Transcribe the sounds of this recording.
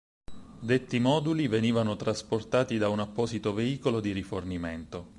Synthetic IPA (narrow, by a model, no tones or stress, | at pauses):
d̪et̪ːimɔːd̪uliveniːvanot̪ɾasport̪aːt̪id̪aunapːɔːzit̪oveiːkolod̪iriforniment̪o